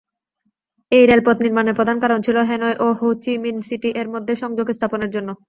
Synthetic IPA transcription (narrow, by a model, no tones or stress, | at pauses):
ejɾelpot̪niɾmaneɾpɾod̪ʱankaɾont͡ɕʰiloɦenoeʔoɦowt͡ɕiminsiʈiʔeɾmod̪ʱːeʃɔŋd͡ʑoɡest̪ʰaponeɾd͡ʑonːo